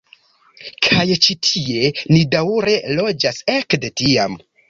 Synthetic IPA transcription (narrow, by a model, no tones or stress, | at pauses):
kʰajt͡ʃitʰie̞nidawɾe̞lo̞d͡ʒase̞kde̞tiam